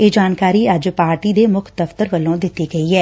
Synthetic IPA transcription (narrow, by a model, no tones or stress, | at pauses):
eːd͡ʒaːnkaːɾiːɐd͡ʒpaːɾʈiːd̪eːmʊkʰd̪əft̪əɾʋəlːõːd̪ɪt̪ːiːɡəiːɦɛː